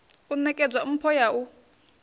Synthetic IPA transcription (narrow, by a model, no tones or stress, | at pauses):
unɛkʼɛd͡zwaum̩pʰɔjau